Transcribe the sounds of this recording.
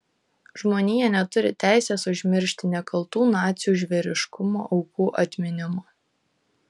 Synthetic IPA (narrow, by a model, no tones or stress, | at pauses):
ʒmoːnʲijɛnʲɛt̪ʊɾʲɪt̪ʲæˑɪsʲeːsʊʒʲmʲɪɾʲʃʲt̪ʲɪnʲɛkɐlˠt̪uːnɑːt̪sʲjuːʒʲʋʲɛɾʲɪʃkʊmo̰ːʔɒʊkuːʔɐt̪ʲmʲɪnʲɪmoː